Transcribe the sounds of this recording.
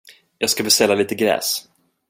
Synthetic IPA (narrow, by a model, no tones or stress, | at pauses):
jɑːɡskabɛst̪ɛlːaliːt̪əɡɾɛ̰ːs